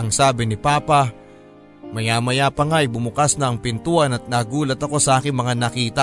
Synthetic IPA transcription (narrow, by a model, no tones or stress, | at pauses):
ʔɐŋsaːbɪnɪpaːpɐ | mɐjaːmɐjapɐŋajbʊmʊkasnɐʔːŋpɪnt̪uʔɐnɐt̪̚naːɡuːlɐt̪ɐko̞sɐʔaːkɪŋmɐŋanɐkiːt̪ɐ